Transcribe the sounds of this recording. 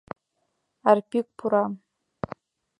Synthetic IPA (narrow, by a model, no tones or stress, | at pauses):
arpʲik̚pʰuɾa